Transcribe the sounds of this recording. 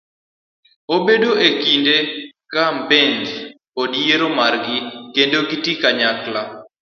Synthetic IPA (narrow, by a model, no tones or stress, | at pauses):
obedoʔekindekambend͡ʒ | odjeɾomarɡɪkendoɡitikaɲakla